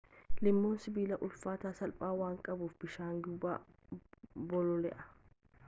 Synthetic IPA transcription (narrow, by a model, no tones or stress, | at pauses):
lɪmːoːnsɪbiːlɐʔʊlfaːt̪aːsɐlpʼaːwaːŋkʼɐbuːfbɪʃaːŋɡu | bɔlɔlɛʔɐ̥